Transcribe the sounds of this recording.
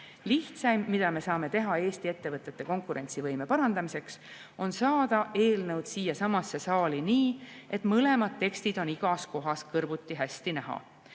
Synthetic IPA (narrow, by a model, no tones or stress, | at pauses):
liht̪sɑjmːid̪̥ɑme̞sɑːme̞t̪e̞ɦɑe̞ːst̪ie̞t̪ːe̞vɤt̪ˑːe̞t̪ːe̞ko̞ŋkˑuɾe̞nt̪sivɤjme̞pɑɾɑnd̪̥ɑmise̞ks | o̞nsɑːd̪̥ɑʔe̞ːlnɤwd̪̥siːjɑsɑmɑsːe̞sɑːliniːe̞t̪ˑmɤle̞mɑd̪̥̚t̪e̞kst̪id̪̥o̞niɡ̥ɑsko̞ɦɑskɤrbut̪ːˑiɦæst̪inæɦɑ̰